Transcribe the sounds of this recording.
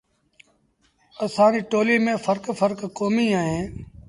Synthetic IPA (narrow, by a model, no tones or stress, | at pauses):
əsaːniːʈoːliːmẽːfʰəɾkfəɾkkoːmiːaːɦẽː